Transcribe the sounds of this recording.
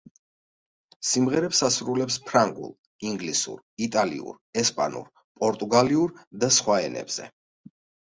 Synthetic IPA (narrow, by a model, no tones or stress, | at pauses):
simʁɛɾɛpsasɾulɛpspʰɾaŋɡṵlˠ | iŋɡlisṵɾit̪ʼalḭṵɾ | ɛspʼa̰nṵɾ | pʼɔɾt̪ʼuɡaliuɾd̪asχwaɛ̰nɛ̰bz̥ɛ̰